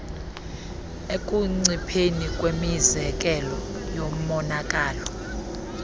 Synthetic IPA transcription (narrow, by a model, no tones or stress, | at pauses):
ekʼuŋ͡ǀipʰenikʼwemizɛk̬ʼɛlɔjom̩mɔnakʼaːlɔ